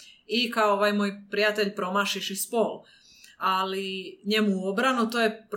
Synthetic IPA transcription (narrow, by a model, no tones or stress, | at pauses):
ikaooʋajmo̞jpɾijat̪e̞ʎpɾo̞maʃiʃispol | aliɲe̞muo̞bɾanut̪oːjep